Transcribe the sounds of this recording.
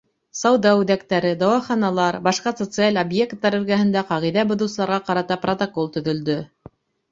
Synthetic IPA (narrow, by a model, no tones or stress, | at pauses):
sɑwðɑʉðækt̪æɾɘd̪ɑwɑχɑnɑlˠɑɾbɑʃqɑsot̪sɨalʲobje̞kt̪ːɑɾɵ̆ɾɡæhɘ̆nd̪æqɑʁijðæbŏðɤwsɤ̆lˠɑɾʁɑqɑɾɑt̪ɑprot̪okolˠt̪ɵ̆ðɵ̆ld̪ɵ